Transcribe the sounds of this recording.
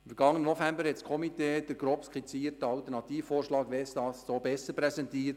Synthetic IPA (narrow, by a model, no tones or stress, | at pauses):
ɪmfəɾɡ̥ɑŋːənənɔfɛmbəɾhɛtskʰɔmiteːd̥əɡ̥ɾɔpskχit͡siːətəɑltəɾnɑtiːffoːɾʃlɑːɡʋɛsd̥ɑːssoːbɛsəɾpɾɛsɛntiːɾt